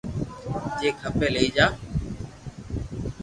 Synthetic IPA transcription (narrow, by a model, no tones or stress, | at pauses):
d͡ʒeːkʰəpẽːleiːd͡ʒaː